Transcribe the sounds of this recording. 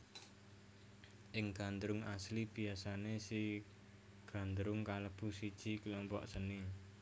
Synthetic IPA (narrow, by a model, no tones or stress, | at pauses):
ʔɪŋɡ̥a̤nd̪ɾʊŋaslib̥i̤asanesi | ɡ̥a̤nd̪ɾʊŋkaləb̥usid̥ʒ̥i̤klɔmpɔ̰ʔsəni